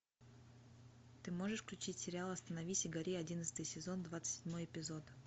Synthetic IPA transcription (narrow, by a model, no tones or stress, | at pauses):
t̪ɨmo̞ʐɨʂfklʲʉt͡ɕitʲsʲɪɾʲɪalˠɐst̪ənɐvʲisʲɪɡɐɾʲiɐdʲinət̪sɨt̪ɨjsʲɪzo̞nd̪vat̪sɨ̥tʲsʲɪdʲmo̞jɪpʲɪzo̞t̪